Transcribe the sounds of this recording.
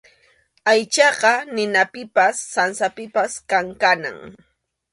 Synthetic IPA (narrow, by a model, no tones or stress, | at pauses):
ajt͡ʃɑɢɑnɪnapɪpasːansapɪpaskaŋkana̰ŋ